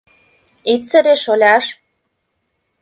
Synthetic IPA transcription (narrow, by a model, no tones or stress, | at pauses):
itt͡sə̆ɾeʃolʲɑʃ